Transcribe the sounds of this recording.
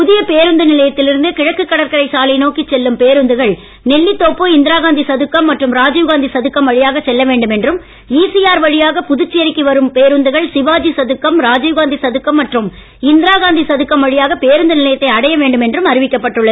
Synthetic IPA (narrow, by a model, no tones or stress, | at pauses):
pʊðɪjɐpeːɾɯnd̪ɯnɪlɐjɐt̪ːɪlɪɾɯnd̪ɯkɪɻɐkːɯkːɐɽɐɾkɐɾɐɪsaːlɐɪnoːkɪt͡ʃːɛlːɯmpeːɾɯnd̪ɯɣɐɭ | nɛɭːit̪ːoːpːɯɪnd̪ɪɾaːɣaːnd̪isɐðɯkːɐmːɐʈrɯmɾaːd͡ʒɐjʊɣaːnd̪isɐðɯkːɐmʋɐɻɪjaːɣɐt͡ʃsɛlːɐʋeːɳɖɯmɛndrɯm | iːsɪjaːɾʋɐɻɪjaːɣɐpʊðʊt͡ʃːɪjɐɾɪkːiʋɐɾɯmpeːɾɯnd̪ɯɣɐɭsɪʋaːd͡ʒisɐðɯkːɐmɾaːd͡ʒɐjʊɣaːnd̪isɐðɯkːɐmːɐʈrɯm | ɪnd̪ɪɾaːɣaːnd̪isɐðɯkːɐmʋɐɻɪjaːɣɐpeːɾɯnd̪ɯnɪlɐjɐt̪ːɐɪɐɽɐjɐʋeːɳɖɯmɛndrɯmɐɾɪʋɪkːɐpːɐʈːɯɭːɐðɯ